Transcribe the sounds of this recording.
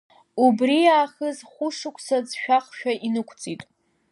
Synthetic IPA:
ubriaːχəzχʷʊʂɨkʷʼʰsad͡zʃᶣaχʃᶣaʔinɨkʷʰt͡sʼitʼ

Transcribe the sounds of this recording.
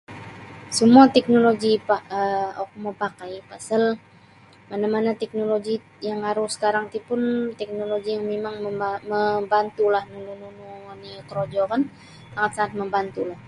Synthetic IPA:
səmuat̪ɛk̚noloɡipaəok̚mɔpakajpasəl | manamanat̪ɛk̚noloɡi | jaŋaɾʊhsə̥kaɾaŋt̪ipʊnt̪ɛk̚noloɡijaŋmemaŋməmbant̪ulahnununununikəɾod͡ʒɔkan | saŋat̪̚saŋat̪̚məmbant̪ulah

